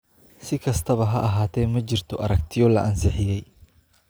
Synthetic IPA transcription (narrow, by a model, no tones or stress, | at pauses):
sɪkʰɐst̪ʰɐβɐɦɐʔɐɦaːt̪ʰɛːmɐt͡ʃɪrt̪ʰɔʔɐɾɐk̚t̪ʰɪjɔlɐʔɐnsɪħɪjɛj